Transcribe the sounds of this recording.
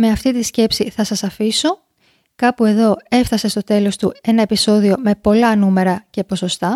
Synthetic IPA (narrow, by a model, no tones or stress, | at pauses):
me̞ɐft̪it̪isce̞psiθɐsɐsɐfiso̞ | kɐpue̞ðo̞e̞fθɐse̞st̪o̞t̪e̞lo̞st̪ue̞nɐe̞piso̞ðio̞me̞po̞lɐnume̞ɾɐce̞po̞so̞st̪ɐ